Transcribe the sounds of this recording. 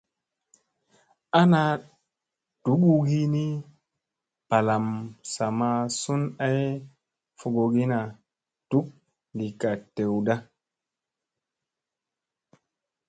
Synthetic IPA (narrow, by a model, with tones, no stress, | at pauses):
a˦na˦ | d̥u˨˦ɓu˦ɡi˦ni˦ | pa˨la˨msa˨ma˨su˦na˦j | fo˨ɡo˨ɡi˦na˨ | tu˦k̚ | li˨ka˨te˨wda˦